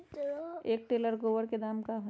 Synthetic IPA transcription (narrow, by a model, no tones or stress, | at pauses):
eːk̚ʈeːləɾɡoːʋəɾked̪aːmkaɦo